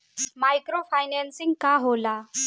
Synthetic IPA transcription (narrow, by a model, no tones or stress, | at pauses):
majkɾofajnɛnsĩŋɡkaɦola